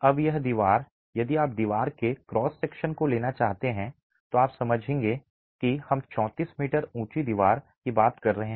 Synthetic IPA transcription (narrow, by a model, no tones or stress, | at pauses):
ɐbjɐɦd̪iːʋaːɾ | jɐd̪iaːp̚d̪iːʋaːɾkekɾɔːsːeːkʃənkoleːnat͡ʃaːɦt̪eɦɛ̃ | t̪oaːpsɐməd͡ʒʱẽːŋɡe | kihɐmt͡ʃɔ̃ːt̪iːsmiːʈəɾũːt͡ʃid̪iːʋaːɾ | kibaːt̪kɐɾːɐɦẽɦɛ̃